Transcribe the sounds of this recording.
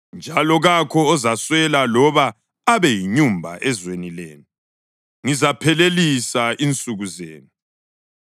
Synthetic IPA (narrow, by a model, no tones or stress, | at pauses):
nd͡ʒʱalɔɣakʰɔːzaswɛlalɔβaː | βɛjiɲumbʱa̰ʔɛzwenilḛːnu | ŋizapʰɛlelisaʔint͡sʼuɣuzḛːnu